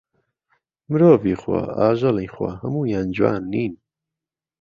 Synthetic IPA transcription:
mɨɾoːviːxwa̰aːʒɐlixwa̰hɐmuːjaːnd͡ʒwa̰ːnːiːn

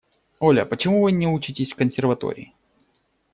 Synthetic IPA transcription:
olʲə̰pət͡ɕɪmuvɨnʲɪut͡ɕɪtʲɪsʲfkənsʲɪrvɐt̪o̰ɾʲɪ̰ː

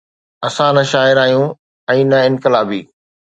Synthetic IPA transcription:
ɐsãnɐʃaːɪɾaːɦjũ | ɛ̃ːnɐɪ̃nkɪlaːbiː

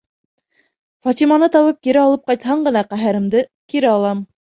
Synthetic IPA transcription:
fɑt̪imɑnɤt̪ɑwɤp̚kiɾɘɑlˠɤp̚qɑjt̪hɑɴɢɤ̆nɑqæɦɘ̆ɾɘ̆md̪ɘkiɾɘɑlˠɑm

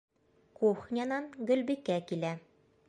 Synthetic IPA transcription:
kuχnʲɑnɑnɡɵ̆lbikækilæ

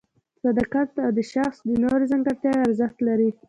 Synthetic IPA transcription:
sad̪ɑqat̪awd̪əʃaxsd̪ənoɾezaŋɡaɾt̪jɑjaɾzəxt̪laɾi

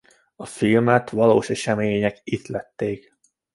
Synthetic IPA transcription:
ɒfilmɛt̪ʋɒloːʃɛʃɛmeːɲɛkit̪lɛt̪ːeːk

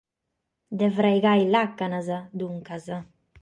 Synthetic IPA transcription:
d̪ɛvɾajɡajlakːanazad̪uŋkaza

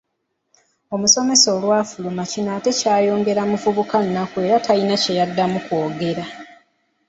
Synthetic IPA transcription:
o̞muso̞me̞so̞lwaːfulumacinaːte̞caːjo̞ːŋɡe̞ɾamufuβukanːakue̞ɾatalinace̞jadːamuko̞ːɡe̞ɾa

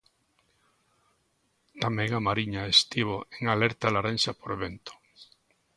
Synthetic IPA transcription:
t̪amẽŋamaɾiɲaest̪iβoeŋaleɾt̪alaɾẽnsapoɾeβent̪o̥

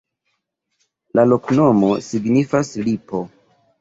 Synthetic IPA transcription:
lalo̞kno̞mo̞siɡnifaslipo̞

